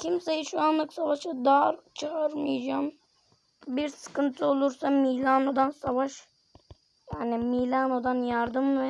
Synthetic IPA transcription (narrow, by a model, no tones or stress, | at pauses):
kʰimsɐiʃaːnɐksɐʋɐt͡ʃɐd̪aːɾt͡ʃaːɾmiːd͡ʒaːn | biɾskɨnt͡soːluɾsɐmiːlaːnod̪aːnsɐʋɐʃ | janemiːlaːnod̪aːnjaːɾd̪ɨme